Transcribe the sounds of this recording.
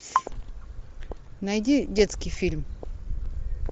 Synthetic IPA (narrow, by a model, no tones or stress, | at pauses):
najd͡ʒid͡ʒɛt͡skifilm